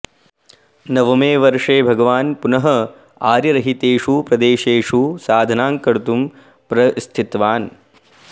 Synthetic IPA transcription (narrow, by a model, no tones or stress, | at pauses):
nɐʋɐmeːʋɐɾʂeːbʱɐɡɐʋaːnpunɐɦɐ | aːɾjɐɾɐɦit̪eːʂupɾɐd̪eːʃeːʂusaːd̪ʱɐnaːŋkɐɽut̪um | pɾɐst̪ʰit̪ʋaːn